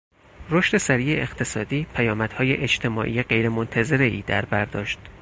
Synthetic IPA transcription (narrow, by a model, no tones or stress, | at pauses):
roʃt̪e̞sæɾiːjeʔext̪ʰe̞sɒːd̪iːpʰæjɒːmæd̪̥hɒːjeʔed͡ʒt̪ʰe̞mɒ̰ːʔḭːjeɢe̞jɾemont̪ʰæze̞ɾe̞iːd̪æɾbæɾd̪ɒːʃt̪